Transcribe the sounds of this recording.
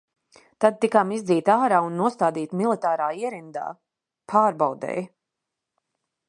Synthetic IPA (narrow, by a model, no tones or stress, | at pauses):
t̪ad̪̚t̪ikaːmizd̪ziːt̪aːɾaːunːuɔst̪aːd̪iːt̪milˠit̪aːɾaːiɛɾind̪a̰ː | pʰaːɾbawd̪ɛ̰ːj